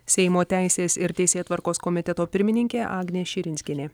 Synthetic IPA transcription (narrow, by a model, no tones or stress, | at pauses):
sʲɛɪmoːt̪ʲæˑɪsʲeːsɪɾt̪ʲɛɪsʲeːt̪ʋɐɾkoːskɔmʲɪt̪ʲɛt̪oːpʲɪɾʲmʲɪnʲɪŋʲkʲeːʔɑːɡnʲeːʃʲɪɾʲɪnʲsʲkʲɪnʲeː